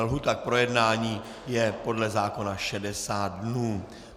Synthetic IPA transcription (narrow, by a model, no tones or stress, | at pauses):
lɦut̪ak̚pɾo̞jɛdnaːɲiː | jɛpo̞dlɛzaːko̞naʃɛdɛsaːt̪̚dnuː